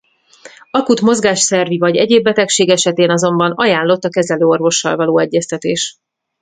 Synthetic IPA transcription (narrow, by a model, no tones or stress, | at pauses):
ɒkut̪mo̞zɡaːʃsɛrvivɒɟɛ̰ɟeːbːɛt̪ɛkʃeːɡɛʃɛt̪eːnɒzo̞mbɒnɒjaːnlo̞t̪ːɒkɛzɛløːo̞rvo̞ʃːɒ̰lvɒloːɛɟːɛst̪ɛt̪eːʃ